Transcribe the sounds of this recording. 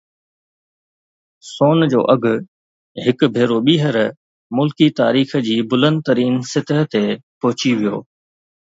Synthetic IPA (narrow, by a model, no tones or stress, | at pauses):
soːnd͡ʑo̰ːʔɐɡʱʊ̆ | ɦɪkbʱeːɾoɓiːɦəɾ | mʊlkit̪aːɾiːx̆d͡ʑiːbʊlə̃nd̪̚t̪ɐɾiːnsɪt̪əɦə̆t̪epʊɦʊt͡ɕiʋijo̰ː